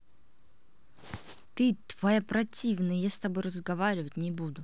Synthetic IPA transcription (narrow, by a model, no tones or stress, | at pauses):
t̪ɨt̪v̥ɐjapɾɐtʲivnɨjjast̪ɐbojrəzɡɐvaɾʲɪvətʲnʲɪbud̪ʊ